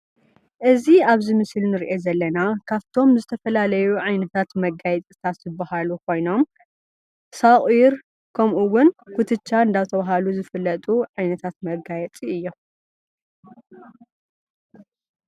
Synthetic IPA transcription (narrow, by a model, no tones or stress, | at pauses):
ʔɨziaβzimɨslnɨɾiʔezɐlːɐnakʰaβt̪ʰo̞mzɨt̪ʰɐfɐlalɐjuʕajnɐt̪ʰat̪mɐɡajɛt͡sʼi̥t̪ʰat̪zɨbːɐhalukʰo̞jno̞m | saχʼiɾ | kʰɐmʔuwʊnkʰut̪ʰɨt͡ʃːaɨnd̪at̪ʰɐβaɦaluzɨfɨlːɐt̪ʼuʕajnɐt̪ʰat̪mɐɡajɛt͡sʼiɨjːo̞